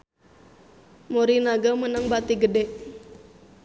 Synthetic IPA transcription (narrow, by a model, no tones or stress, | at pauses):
moɾinaɡamənəŋbat̪iɡədɛʔ